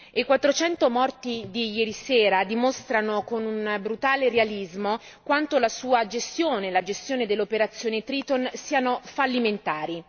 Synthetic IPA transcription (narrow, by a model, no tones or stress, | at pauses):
ekwat̪ːɾot͡ʃɛnt̪omɔrt̪id̪ijɛːɾisɛːɾad̪imost̪ɾanokonunbɾut̪aːlerealizmo | kwant̪olasuːad͡ʒest̪joːnelad͡ʒest̪joːned̪elːopeɾat̪sːjoːnet̪ɾiːt̪onsiːanofalːiment̪aːɾi